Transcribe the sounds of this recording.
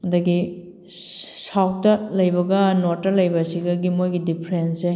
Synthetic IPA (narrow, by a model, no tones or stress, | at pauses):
ɐdɐɡi | sawk̚tɐlɐjbɐɡɐnoɾtːɐlɐjbɐsiɡɐɡimojɡidipʰɾense